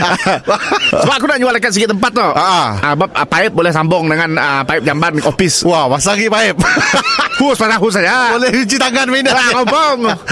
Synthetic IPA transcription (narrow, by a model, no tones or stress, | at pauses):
səbaʔkunaʔɲualakats̬əɡɪt̪əmpat̪ːɔhəʔəʔəbap̚əpaɪp̚bolɛhsambɔŋdəŋanəpaɪp̚d͡ʒambanofɪsuahmasaɡipaɪp̚ | huspaɾaɦus̬ad͡ʒabolɛit͡ʃit̪aŋanmindalasaŋɔmpɔŋ